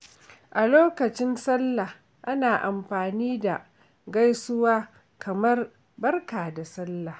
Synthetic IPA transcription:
ʔa˨loː˦kɐ˨t͡ʃɪ˦nsɐ˦lːa˨h | ʔa˦naː˨ʔa˨mɸaː˨niː˦da˨ | ɡa˦jsʊ˦waː˦ | kʰɐ˨mɐ˦r | bɐ˦rkaː˨da˨sɐ˦lːa˨

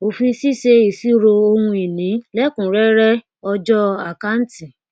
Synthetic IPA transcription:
o˨fĩ˧˦si˦ʃe˧i˨si˦ɾo˧o˧hũ˧i˨nĩ˨˦lɛ˦kũ˨ɾɛ˦ɾɛ˦ | ɔ˧d͡ʒɔ˦a˨ka˦n̩˦ti˨

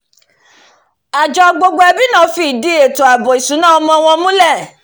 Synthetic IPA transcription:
a˨d͡ʒɔ˨ɡ͡bo˧ɡ͡bo˧ɛ˧bi˦nã˦˨˦fi˧˨di˨˦e˨to˨a˨bɔ˨i˨sũ˨˦nãː˦˨ɔ˧mɔ̃˧ɔ˧w̃ɔ̃˧mũ˦lɛ˦˨

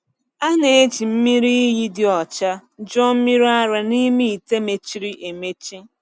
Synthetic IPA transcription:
a˦ne˨e˦t͡ʃi˨m̩˦mi˦ɾi˦ji˦dɪ˨ɔ˨t͡ʃa˦d͡ʒɔ˦m̩˦mi˦ɾa˦ɾa˨ni˦mi˦˨i˨te˦me˨t͡ʃi˦ɾi˦ʔe˨me˦t͡ʃi˦

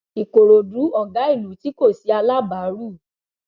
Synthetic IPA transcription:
i˨ko˨ɾo˨du˨˦ɔ˦˨ɡa˨˦i˦˨lu˨˦ti˦ko˦˨si˨˦a˧la˦ba˨˦ɾu˦˨

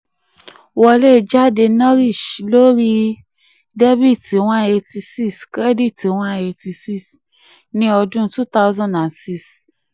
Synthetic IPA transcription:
wɔ˧le˦˨d͡ʒa˦˨de˧nɔ̃˦ɾi˦˨ʃlo˦ɾi˦ | de˦bi˦˨ti˨w̃ã˦˨e˧ti˧si˦skɾɛ˦di˦˨te˨˦w̃ã˦˨e˧ti˧si˦˨s | nĩ˦ɔ˧dũ˦tu˦ta˦wzɔ̃˦˨nda˨nsi˦˨s

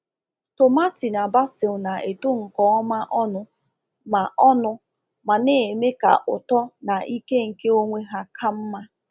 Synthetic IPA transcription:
to˨ma˦ti˨na˨ba˦sɪ˨lʊ˨na˨ʔe˨to˦ŋ̩˨kɔ˦ɔ˦ma˦ʔɔ˦nʊ˦ | ma˨ʔɔ˦nʊ˦ | ma˨ne˨me˦ka̰˨ʔʊ̰˨tɔ˦na˨ʔi˦ke˦ŋ̩˨ke˦o˦ŋʷe˦ɦa˦kʰa˦m̩˦ma˦

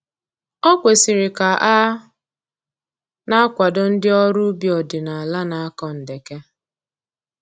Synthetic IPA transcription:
ɔ˦kʷe˨si˨ɾɪ˨ka˨ʔa˦ | na˦kʷa˨dʊ˦n̩˦dɪ˦ɔ˦ɾu˦bjɔ˨dɪ˨na˨a˨la˦na˨a˦kɔ˦n̩˨de˨ke˦

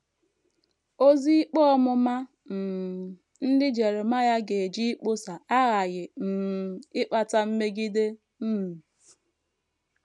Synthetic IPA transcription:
o˦zi˦k͡pɔ˦ɔ˦mʊ˦ma˦ | m̩˨ | n̩˦dɪ˦d͡ʒe˨ɾe˨ma˦ja˦ɡe˨e˨d͡ʒi˦i˦k͡po˦sa˨a˦ɣa˨ɣɪ˨m̩˨ɪ˦k͡pa˨ta˦m̩˦me˦ɡi˦de˦ | m̩˦m̩˨

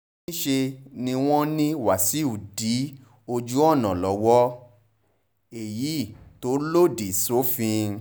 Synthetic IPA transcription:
ĩ˦ʃe˧nĩ˧w̃ɔ̃˦nĩ˦wa˨si˨˦u˨di˨˦ | o˧d͡ʒu˦ɔ˦˨nã˨lɔ˨˦wɔ˦ | e˨ji˨˦˨to˨˦lo˦˨di˨so˨˦fĩ˧

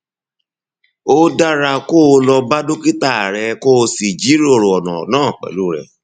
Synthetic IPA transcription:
o˦da˦ɾa˧ko˦˧lɔ˧ba˦do˦ki˦ta˦˨ɾɛ˧ko˦˧si˨d͡ʒi˨˦ɾi˦o˨ɾo˨ɔ˨nã̰˨nãː˦˨k͡pɛ̰˨lu˦˨ɾɛ̰˧˨

